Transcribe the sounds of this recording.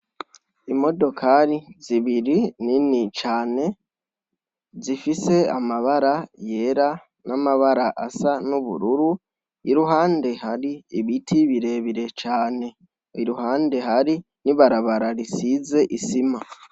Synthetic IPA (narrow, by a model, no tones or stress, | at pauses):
imo̞do̞kʰaɾiziβiɾininit͡ʃaːne̞ | zifise̞a̰maβaɾaje̞ɾa | namaβaɾaʔasanuβṵɾuɾu | iɾuɦaːnde̞ɦaɾiiβitʰiβiɾe̞βiɾe̞t͡ʃaːne̞ | iɾuɦaːnde̞ɦaɾi | niβaɾaβaɾaɾisize̞ʔisima